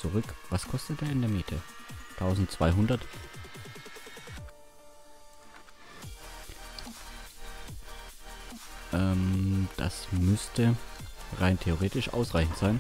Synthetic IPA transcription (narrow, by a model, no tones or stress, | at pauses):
t͡suʁʏkvaskʰɔstət̚d̥eːɐɪndeːɐmiːtʰətʰaʊzn̩tt͡sv̥aɪɦʊndɐt | ʔɛmd̥a̰smʏstʰəʁaɪntʰeoʁ̞eːtɪʃʔa̰ʊsʁaɪçn̩tz̥aɪn